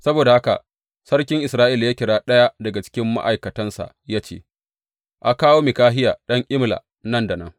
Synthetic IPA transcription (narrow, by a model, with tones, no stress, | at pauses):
sɐ˦boː˨da˨ha˦ka̰˨ | sɐ˦rkʲɪ˦ŋʔɪ˨sɾaː˦ʔi˦ljaː˦kʲɪ˨ɽaː˦ɗɐ˦ja˦dɐ˨ɡa˨t͡ʃɪ̥˦kʲɪ˦mːa̰˦ʔa˨jkɐ˨tɐ˦nsa̰˨ʔjaː˦t͡ʃḛː˦˨ | ʔa˨kaː˦woː˦mi˨kaː˦ɦɪ˦jaː˨ɗɐ˦ŋʔʲɪ˦mla̰˨ | nɐ˦˨nda˨nɐ˦ŋ